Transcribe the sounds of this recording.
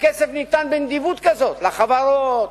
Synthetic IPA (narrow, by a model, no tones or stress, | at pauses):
kesefnit̪anbend̪ivut̪kazot̪laχavaɾot̪